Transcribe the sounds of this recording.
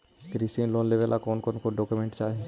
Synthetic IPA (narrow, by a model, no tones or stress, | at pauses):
kɾisĩnloːnleːʋelʔakɔːnkonkoɖɔːkumẽːɳʈt͡ʃaːɦiẽ